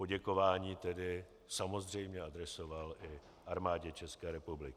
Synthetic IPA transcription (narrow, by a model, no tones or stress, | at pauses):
po̞ɟɛko̞vaːɲiːt̪ɛdɪ | samo̞zr̝ɛjmɲɛʔadɾɛsovalʔɪ | ʔaɾmaːɟɛt͡ʃɛskɛːɾɛpublɪkɪ